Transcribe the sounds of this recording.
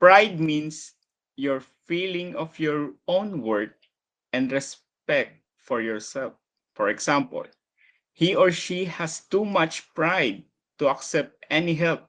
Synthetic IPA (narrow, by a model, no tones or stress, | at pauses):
pɹajd̪̚mĩns | jɔɹfilɪ̃ŋɔfjɔɹõnwɛɹk̚ | ɛ̃nd̪ɹɛs | pɛk̚t̪̚fɔɹjɔɹsɛlf | fɔɹɛɡsãmpə̰l | hiɔɹʃihæst̪umat͡ʃpɹajd̪̚ | t̪uaksɛp̚t̪ɛniɦɛlp̚